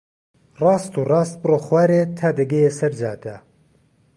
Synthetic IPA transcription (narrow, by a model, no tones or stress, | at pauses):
rɑːst̪uːrɑːst̪̚bɨroːxwaːɾet̪ʰaːd̪ɐɡejesɐɾd͡ʒa̰ːd̪a